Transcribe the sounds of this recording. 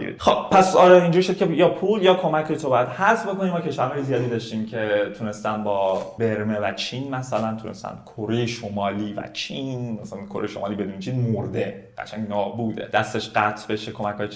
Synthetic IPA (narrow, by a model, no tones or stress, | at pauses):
xobpʰæsɒːɾɛind͡ʒuɾʃocʰejɒːpʰuljɒːkʰo̞mæcʰːɒːjet̪ʰobɒːjæd̪̥hæɾsbo̞ko̞niːmɒːcʰe̞ʃvæɾhɒːjezijɒːd̪iːd̪ɒʃt̪iːmcʰe̞t̪ʰune̞st̪ænbɒːbe̞ɾmevæt͡ʃʰiːnmæsælænt̪ʰunest̪æ̰nkʰoɾejeʃomɒːliːvæ̰t͡ʃʰinmæsælænkʰoɾejeʃo̞mɒ̰ːliːbe̞d̪unit͡ʃʰiːnmoɾd̪e̞ɢæ̰t͡ʃʰæŋnɒːbuːd̪e̞̰d̪̥æst̪e̞ʃɢæt̪ʰbe̞ʃekʰo̞mækʰhɒːje